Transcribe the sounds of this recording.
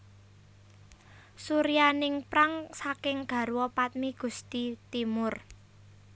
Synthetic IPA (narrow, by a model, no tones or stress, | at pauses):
suɾijanɪŋpɾaŋsakɪŋɡ̥ä̤ɾwɔpat̪̚miɡ̥ṳst̪it̪imʊr